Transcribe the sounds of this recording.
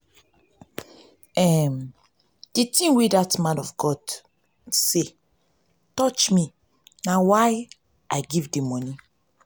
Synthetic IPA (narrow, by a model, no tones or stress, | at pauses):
ɛm | d̥itĩwedatmãnɔfɡɔd | se | tɔt͡ʃmi | nawaj | aɪɡivdimɔ̃ni